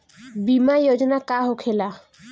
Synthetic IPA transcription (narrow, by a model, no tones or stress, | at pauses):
bimajod͡ʑonakaɦokʰela